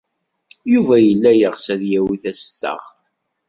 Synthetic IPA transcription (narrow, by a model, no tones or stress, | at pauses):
juvæjəlːæjəʁsæðjæwiθæst̪ə̰ʁθ